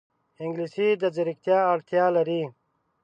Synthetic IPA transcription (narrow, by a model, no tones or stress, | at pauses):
iŋɡlisid̪ɐziɾikt̪jaːɽt̪ʰjaːlɐɾiː